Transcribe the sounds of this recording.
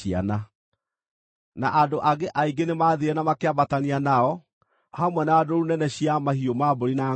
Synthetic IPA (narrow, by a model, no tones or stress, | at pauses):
ia̰na | naʔadoʔaɡeʔaiɡenemaːðeɾɛnamakeabatanianaɔ | hamwɛnaːdoɾunɛnɛɕiamahiomaboɾina